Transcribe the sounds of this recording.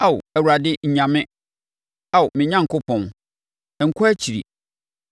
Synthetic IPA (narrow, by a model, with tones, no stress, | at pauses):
a˦˨w̰æ˨wu˨ɾa˨dɪ˦ɲ̩˨ɲã˨mɪ̃˦ | a˦˨wmɪ̃˨ɲã˦ŋ̩˨kʊ˦pʰɔ̃˨n | ɛ˨ŋ̩˨kʰʊ˦æ˦t͡ɕʰi˨ɾḭ˨